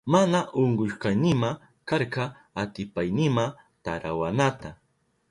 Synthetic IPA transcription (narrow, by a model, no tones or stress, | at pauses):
manaʔʊɴɢʊʃqɑjnɪma | kaɾkɑ | at̪ɪpajnɪma | t̪aɾawanat̪a